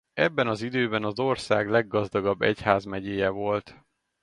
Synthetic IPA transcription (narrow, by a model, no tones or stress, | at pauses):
ɛbːɛnɒzid̪øːbɛnɒzo̞rsaːɡlɛɡːɒzd̪ɒɡɒbːɛ̰chaːzmɛɟeːjɛvo̞lt̪